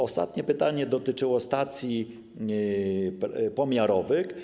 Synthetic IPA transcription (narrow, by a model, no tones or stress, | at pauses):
ɔst̪a̰t̪ɲɛpɘt̪aɲɛd̪ɔt̪ɘt͡ʂɘwɔst̪at̪sʲji | ppɔmʲjaɾɔvɘx